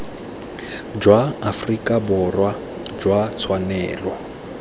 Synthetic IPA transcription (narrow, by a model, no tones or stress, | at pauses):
d͡ʒwaafrikʼabʊrwa | d͡ʒwat͡sʰwanɛːlwa